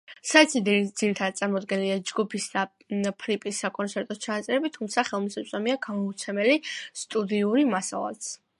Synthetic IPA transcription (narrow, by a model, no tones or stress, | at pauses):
sat̪sʰid̪d̪z̥iɾit̪ʰad̪t̪sʼaɾmɔd̪ɡɛnliad͡ʒɡupʰisd̪a | pʰɾipʼisːakʼɔnt̪sʰɛɾt̪ʼɔt͡ʃʰanat̪sʼɛɾɛbit̪ʰumt̪sʰaχɛlˠmisɛpsʼɔmiaɡamɔut̪sʰɛmɛlist̪ʼud̪iuɾimasa̰lˠa̰t̪s